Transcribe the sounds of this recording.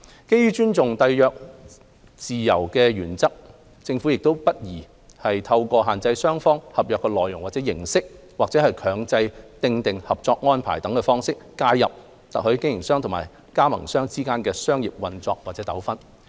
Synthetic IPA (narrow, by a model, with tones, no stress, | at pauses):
ke˥jyː˥t͡ʃyː˥nt͡sʊ˨ŋt̪ɐ˧jjœː˨˧k̚ | t͡siː˨˩jɐ˨˩wkɛː˧ɥyː˨˩nt͡sɐ˥k̚ | t͡sɪ˧ŋfu˨˥jɪ˨k̚t̪o˥wpɐ˥t̚jiː˨˩ | hɐ˨jt̪ʰɐ˧wkɔː˧ɦaː˨nt͡sɐ˧jsœː˥ŋfɔː˥ŋhɐ˨p̚jœː˨kːɛ˧lɔː˨jʊ˨˩ŋwaː˨t̚t͡sɛː˨˥jɪ̰˨˩ŋsɪ˥k̚ | waː˨k̚t͡sɛː˨˥hɐ˨jkʰœː˨˧ŋt͡sɐ˧jt̪ɪ˧ŋt̪ɪ˨ŋhɐ˨p̚t͡sɔː˧k̚ŋɔː˥npʰa̰ː˨˩jt̪ɐ˨˥ŋkɛ˧fɔː˥ŋsɪ˥k̚ːaː˧jːɐ˨p̚ | t̪ɐ̰˨k̚hɵ˨˥ɥkɪ˥ŋjɪ˨˩ŋsœː˥ŋʰʊ˨˩ŋma̰ː˨˩j | kaː˥mɐ̰˨˩ŋsœː˥ŋt͡siː˥kaː˥nkɛː˧sœː˥ŋji˨p̚wɐ˧nt͡sɔː˧k̚waː˨t̚t͡sɛː˨˥t̪ɐ̰˨˥wfɐ˥n